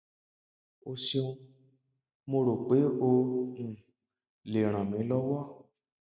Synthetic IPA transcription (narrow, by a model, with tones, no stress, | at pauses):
o˧ʃe˧õ˧˦ | mo˧ɾo˨k͡pe˨˦õ˧˨ | le˨ɾ̃ã˨mĩ˨˦lɔ˦wɔ˦˨